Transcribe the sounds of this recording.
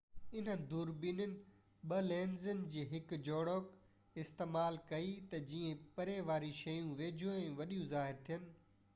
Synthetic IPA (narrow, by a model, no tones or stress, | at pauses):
ɪn̤ə̆d̪uːɾbiːnənɪ̆ | ɓɐlẽːnzənɪ̆d͡ʑiːɦɪkd͡ʑoːɽoːk | ɪst̪eːmaːlkɐit̪ɐd͡ʑiːẽpɐɾeʋaːɾiʃɐjũʋeːd͡ʑʱũɛ̃ːʋɐɗijũzaːɦɪɾt̪ʰijənɪ̆